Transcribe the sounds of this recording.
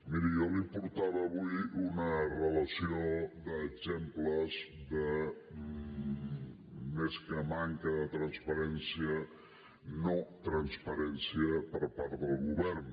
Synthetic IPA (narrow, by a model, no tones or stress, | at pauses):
miɾijɔlipuɾt̪aβəːβuiunərələsioðəːɡzempləzðə | meskəmaŋkəðət̪ɾənspəɾɛnsiə | not̪ɾənspəɾɛnsiəpəɾpaɾt̪ðəlˠɣuβɛrn